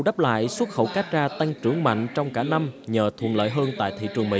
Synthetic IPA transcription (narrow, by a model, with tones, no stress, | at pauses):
wɗaː˦˥p̚la̰ː˧˨jswə˦˥t̚xə̰˧˩wkaː˦˥t̚zaː˧t̪a˧ŋt͡ɕɨ˨˧˩əŋma̰˧˨jŋ̟t͡ɕɔ˧wŋ͡mkaː˧˩na˧mɲəː˨˩t̪ʰwə̰˨˩nlə̰ː˧˨jɦəː˧nt̪a̰ː˧˨jt̪ʰḭ˧˨t͡ɕɨ˨˩əŋmḭ˧˥